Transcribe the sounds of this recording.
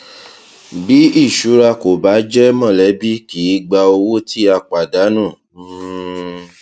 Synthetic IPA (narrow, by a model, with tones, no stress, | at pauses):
bi˨˦i˦˨ʃu˨˦ɾa˧ko˨ba˨˦d͡ʒɛ˦mɔ̃˦˨lɛ˨˦bi˦ki˨˦ɡ͡ba˧o˧wo˦tʰi˦a˧k͡pa˨da˨˦nũ˦˨˦